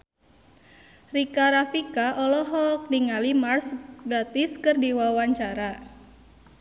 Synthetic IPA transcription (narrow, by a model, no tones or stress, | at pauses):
rikaɾafikaʔɔlɔɦɔk̚niŋalimarsɡat̪ɪskɨrdiwawaɲt͡ʃaɾa